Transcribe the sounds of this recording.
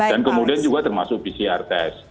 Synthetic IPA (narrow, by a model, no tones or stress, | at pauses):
dankəmudiand͡ʒuɡat̪ərmasʊk̚pisiart̪ɛs